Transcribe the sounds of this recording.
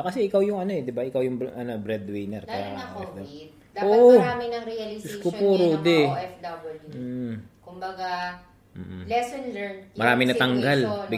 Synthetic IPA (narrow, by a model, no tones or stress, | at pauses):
kɐsɛʔɪkawjʊŋɐno̞ɛd̪ɪbaʔɪkawjʊŋbʔɐnobɾɛd̪wɛjnɛɾkɐja̰ːkɐɛfd̪ | d̪aoʔʔoaːmɪnɐŋɾiɐlɪskʊpoɾod̪ɛɛfd̪ɐbɐluːkʊmbɐɡa | m̩ːʔlɛsɔnlɛɹnmɐɾaːmɪnɐt̪ɐŋɡalbɪ